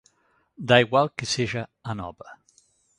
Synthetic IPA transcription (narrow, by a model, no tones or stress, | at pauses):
d̪aiɣwalˠkeseʒaanɔ̰bɾɐ